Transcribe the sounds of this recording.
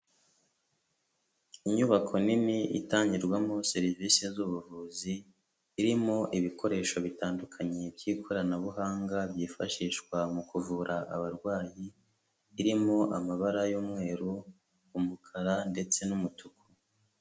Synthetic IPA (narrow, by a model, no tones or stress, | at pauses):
iɲuβakʰo̞nimiḭtaːɲɟiɾɡwamoseɾivisezuβuvuːziː | ɾimo̞ʔiβiko̞ɾe̞ːʃo̞βitaːndukʰaɲe̞bɟiːkʰo̞ɾanaβuɦaːŋɡabjiːfaʃiːʃkwamukuvuːɾʔaʔa̰βaɾɡwaːjiː | ɾimo̞ʔamaβaɾajoːmŋe̞ːɾuː | mukʰaɾande̞t͡se̞numutuko̥